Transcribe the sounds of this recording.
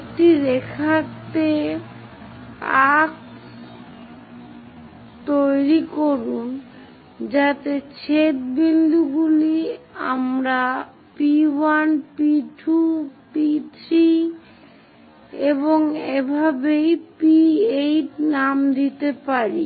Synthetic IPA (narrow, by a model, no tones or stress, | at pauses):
kʈiɾekʰat̪e | ak | t̪ojɾikoɾun | d͡ʑat̪et͡ɕʰet̪̚bind̪uɡulia̰mɾa | piwanpiʈʰupitt͡ɕʰi | eboŋebʱabejpiejʈnamd̪it̪epaɾi